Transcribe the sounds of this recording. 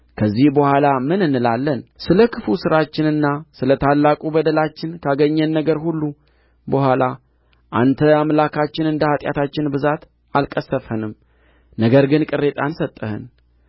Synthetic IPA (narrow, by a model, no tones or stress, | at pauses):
kʰəzːihbəhʷalamɨnɨnːɨlalːənsɨləkʰɨfusɨɾat͡ʃːɪnɨnːasɨlət̪ʰalːakʼubəd̪əlat͡ʃːɪnkʰaɡəɲːənːəɡəɾhulːu | bəhʷala | ʔant̪ʰəamlakʰat͡ʃːɪnɨnd̪əhat̪ʼja̰t̪ʰat͡ʃːɪnbɨzat̪ | alkʼəsːəfhənɨm | nəɡəɾɡɨnkʼɨrːe̞t̪ʼansət̪ʼːəhɨ̰n